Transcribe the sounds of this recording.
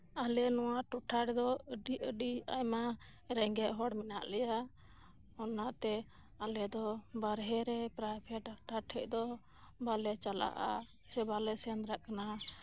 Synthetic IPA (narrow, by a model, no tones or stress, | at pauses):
alɛnɔwaʈɔʈʰaɽɛd̪ɔəɖiəɖia̰jma | ɾɛŋɡɛʔɦɔɽmɛnaʔlɛja | ɔnːaʔt̪ɛ | alɛd̪ɔbaɾɦɛɾɛpɾajbʰʱɛʈaʈaʈʰɛʔ̚d̪ɔ | balɛt͡ʃala̰ʔa | sɛbalɛsɛnd̪ɾaʔkana